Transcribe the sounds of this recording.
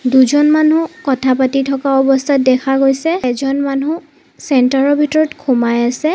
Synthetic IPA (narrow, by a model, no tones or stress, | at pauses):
duzɔnmanũkɔtʰapatitʰɔkaɔbɔstʰat̚dɛkʰaɡojsɛzɔnmanu | sɛntaɹɔbʱitɔɹɔtkʰumajasɛ